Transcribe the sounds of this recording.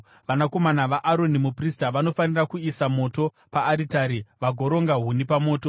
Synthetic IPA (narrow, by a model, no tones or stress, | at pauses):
ʋanako̞manaʋaʔaɾo̞nimupristaʋano̞fanirakuisamo̞to̞ | paːɾitaːɾiʋaɡʱo̞ɾo̞ŋɡaɦunipamo̞ːto̞